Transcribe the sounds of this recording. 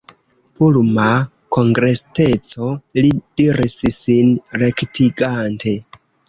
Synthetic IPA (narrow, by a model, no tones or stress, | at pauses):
pulma | ko̞ŋɡɾe̞ste̞t͡so̞lid̥iɾissinɾe̞ktʰiɡantʰe̞